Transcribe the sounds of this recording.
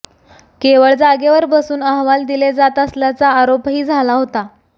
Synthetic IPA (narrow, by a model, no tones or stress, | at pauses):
keʋəɭd͡zaɡeʋəɾbəsuːnəɦʋald̪iled͡zat̪əsljat͡saːɾopɦiːd͡zʱalaɦot̪a